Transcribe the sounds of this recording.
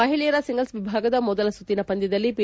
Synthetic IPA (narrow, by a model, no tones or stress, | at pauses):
ɐɦiɭijɐɾɐsiŋɡɐlsʋibʱaːɡɐd̪ɐmɔd̪ɐlɐsut̪ːinɐpɐnd̪id̪ɐlːipi